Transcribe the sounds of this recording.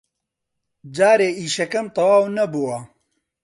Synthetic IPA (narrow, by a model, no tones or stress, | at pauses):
d͡ʒaːɾeːiːʃɐkɐmt̪ˤɐwaːwnɐbuwɐ